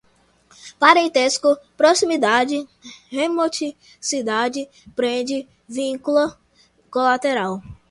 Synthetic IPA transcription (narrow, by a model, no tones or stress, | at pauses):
paɾẽnt̪eskʊpɾosimid̪ad͡ʒɪhemot͡ʃi | sid̪ad͡ʒɪ | pɾẽd͡ʒɪ | vĩkulɐ | kolat̪eɾaw